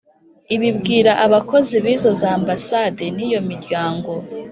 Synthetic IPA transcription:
iβibɡiːɾaʔaβako̞ziβiːzo̞zaːmbasadeniːjo̞miɾɟaːŋɡo̞

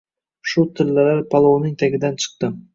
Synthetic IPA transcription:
ʃʊt̪ʰɪɾlalaɾpʰalˠownɪŋt̪ʰaɡʲɪd̪ant͡ʃʰɨ̥q̚t̪ɪm

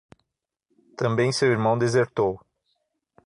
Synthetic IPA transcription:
t̪ɐ̃mbẽj̃sewiɾmɐ̃w̃d̪ezeɾt̪ow

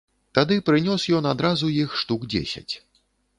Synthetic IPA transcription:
t̪ad̪ɨpɾɨnʲɔsjɔnad̪ɾazujixʂt̪uɡd͡zʲḛsʲɐ̰t͡sʲ

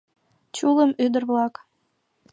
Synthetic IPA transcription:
t͡ɕuləmyd̪ərβlɑk

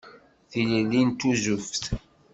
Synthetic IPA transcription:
θiləlːint̪uzuft̪

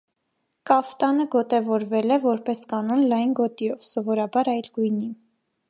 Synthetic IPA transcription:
kɑft̪ɑnəɡɔt̪ɛvɔɾvɛlɛvɔɾpɛskɑnɔnlɑjnɡɔt̪iɔvsɔvɔɾɑbɑɾɑjlɡujnim

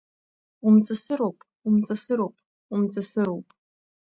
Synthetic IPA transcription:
umt͡sʼɨsɨɾowpʼ | umt͡sʼɐsɨɾowpʼ | umt͡sʼɨsɨɾowpʼ

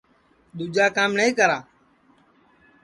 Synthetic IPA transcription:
ɗ̪ud͡ʒaːkaːmnəĩːkəɾaː

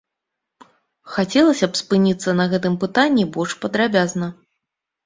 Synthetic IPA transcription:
xat͡sʲɛlˠɐsʲɐpspɨnʲit̪sːɐnɐɣɛt̪ɨmpɨt̪anʲːibɔʂpɐd̪ɾabʲaznɐ

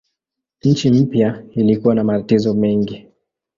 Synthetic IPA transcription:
ɲ̩t͡ʃim̩pjailikuwanamatatizɔmɛŋɡi

